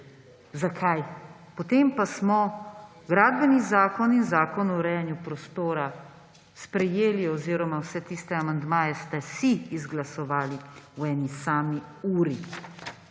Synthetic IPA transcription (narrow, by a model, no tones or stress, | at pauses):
zakʰaj | pɔt̪eːmpasmɔ | ɡɾaːd̪bɛnizaːkɔninzaːkɔnɔɾɛjanjupɾɔst̪oːɾa | spɾɛjeːliɔziɾɔmawsɛt̪ist̪ɛamand̪maːjɛst̪ɛsiːzɡlasɔʋaːliwɛːnisaːmi | uːɾi